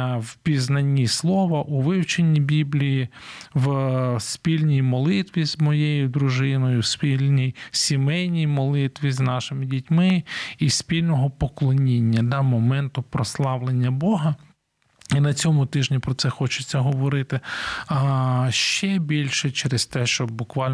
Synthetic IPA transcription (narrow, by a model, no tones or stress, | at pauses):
wpʲiznɐnʲːislˠɔʋɐʔuʋɪwt͡ʃenʲːibʲiblʲijiʋspʲilʲnʲijmɔlˠɪt̪ʋʲizmɔjejʊd̪ɾʊʒɪnɔjʊspʲilʲnʲijsʲimɛjnʲijmɔlˠɪt̪ʋʲiznɑʃɪmɪdʲitʲmɪispʲilʲnɔɦɔpɔklˠɔnʲinʲːɐd̪ɑmɔmɛnt̪ʊpɾɔslˠɑʋlˠenʲːɐbɔɦɐ | inɐt͡sʲɔmʊt̪ɪʒnʲipɾɔt̪sɛxɔt͡ʃɪt͡sʲːɐɦɔʋɔɾɪt̪ɪ | ʃt͡ʃɛbʲilʲʃɛt͡ʃɛɾɪzt̪ɛʃt͡ʃɔbʊkʋɑlʲ